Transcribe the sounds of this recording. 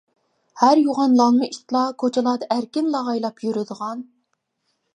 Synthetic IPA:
hæɾjoʁɑnlˠɑŋˠmɨiʃt̪lˠɑkʰot͡ʃʰɪlˠɑːd̪ɑʔæɾkʲɪnlˠɑʁɑjlˠɑpjyɾyd̪əʁɑn

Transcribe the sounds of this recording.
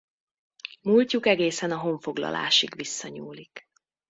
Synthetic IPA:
mulcukɛɡeːsɛnɒɦo̞ɱfo̞ɡlɒ̰lʔa̰ːʃiɡʋisːɒɲuːlik

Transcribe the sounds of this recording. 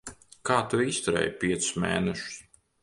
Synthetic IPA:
kaːt̪uist̪ɔɾɛ̰ːjpʲiɛt̪ssmḛːnɛʃu̥s

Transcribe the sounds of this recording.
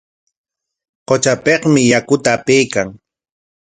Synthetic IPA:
qot͡ʃapeqmɪjakʊt̪aːpejkaŋ

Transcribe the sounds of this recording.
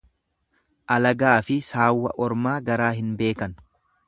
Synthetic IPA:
ʔɐlɐɡaːfɪsaːwːɐ̰ʔɔɾmaːɡɐɾaːɦɪnbe̞ːkɐn

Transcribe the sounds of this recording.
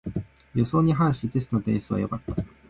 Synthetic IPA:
jo̞so̞ːɲ̟iɦãɰ̃ɕiizesɨ̥no̞t̪ẽɰ̃sɨβa̰jokat̪ːḁ

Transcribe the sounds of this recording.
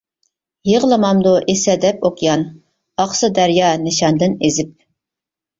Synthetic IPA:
jeʁlˠɨmɑmd̪oʔesɛd̪ɛpoqjɑn | ɑχsɨd̪æɾjɑnɪʃɑnd̪ɪnezɪp̚

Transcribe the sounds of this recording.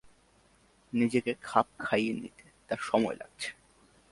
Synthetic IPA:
nid͡ʑekekʰap̚kʰajenḭt̪e̥t̪aɾʃɔmɔela̰ɡ̚t͡ɕʰe̥

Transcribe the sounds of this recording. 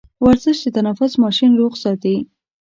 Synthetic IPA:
waɾzəʃd̪ət̪anafʊsmɑʃinɾoɣsɑt̪i

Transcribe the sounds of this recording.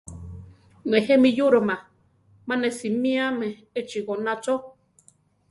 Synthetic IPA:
nehemĩjuɾomã | mãnesimĩamẽ | et͡ʃiɣonãt͡ʃo

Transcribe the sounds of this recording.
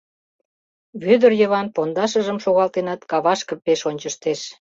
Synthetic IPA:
βød̪ərjəβɑnpond̪ɑʃəʒəmʃoɣɑlt̪enɑt̪kɑβɑʃkəpeʃonʲt͡ɕəʃt̪eʃ

